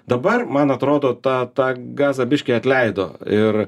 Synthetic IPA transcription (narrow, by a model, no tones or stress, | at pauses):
d̪ɐbɐrmɐnɐt̪ɾoːd̪oːt̪ɑːt̪ɑːɡɑːzɐːbʲɪʃʲkʲeːɐt̪ʲlʲɛɪd̪oːɪr